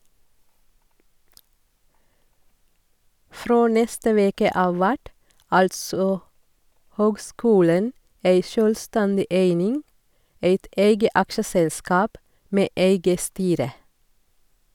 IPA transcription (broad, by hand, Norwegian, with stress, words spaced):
ˈfɾoː ˈnɛstə ˈʋeːkə ˈʔɑːʋ ˈʋæʈ ˈɑltsɔ ˈhøːɡˌskʉːlən ˈeɪ ˈʃøːlˌstɛndɪ ˈeɪnɪŋ ˈeɪt ˈʔeɪɡə ˈɑkʃəsɛlˌskɑːp ˈmeː ˈeɪɡə ˈstyːɾə